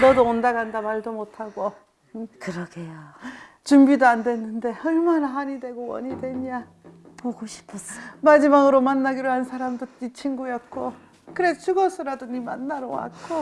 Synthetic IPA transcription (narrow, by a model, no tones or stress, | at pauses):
nʌdoondaɡandamaɭdomotʰaɡo | kɯɾʌɡʰejo | t͡ɕumbidoandwe̞nːɯnde̞ʌɭmanaɦaɲidwe̞ɡowʌ̰ɲidwe̞ɲa | poɡoɕʰi̥pʰʌsmad͡ʑimaɡɯɾomanːaɡiɾɯɭhansʰaɾamdoit͡ɕʰinɡujʌk͈o | kɯɾet͡ɕʰuɡʌs͈ʰɯɾadoɲima̰nːaɾowa̰k͈o